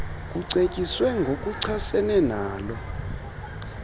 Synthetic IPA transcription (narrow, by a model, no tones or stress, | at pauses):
kʼuǀecʼiswɛŋɡʱok̬ʼuǀʰasɛnɛnaːlɔ